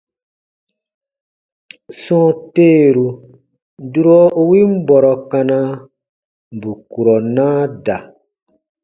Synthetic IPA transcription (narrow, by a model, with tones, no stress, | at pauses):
sɔ̃˦teː˦˨ɾu˨ | du˦ɾɔ˦o˦wi˦m̩˦bɔ˨ɾɔ˨kã˧na˧ | m˨bu˨ku˨ɾɔ˨nãː˦da˨